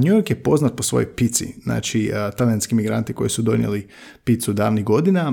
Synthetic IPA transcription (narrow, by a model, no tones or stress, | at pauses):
ɲujoɾkjepo̞znat̪̚po̞sʋo̞̰jojpit̪sḭzna̰ːt͡ʃit̪alianskimiɡɾa̰nt̪iko̞̰jisud̪o̞njḛli | pit̪sud̪aːʋniɣɡo̞d̪ina